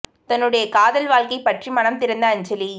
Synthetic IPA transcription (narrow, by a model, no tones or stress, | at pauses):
t̪ɐnːɯɽɐjɐkaːðɐlʋaːlkɐɪpɐʈrimɐnɐmt̪ɪɾɐnd̪ɐːɲd͡ʒɐli